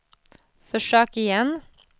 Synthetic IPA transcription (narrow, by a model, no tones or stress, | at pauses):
fɔʃøːkɪjɛn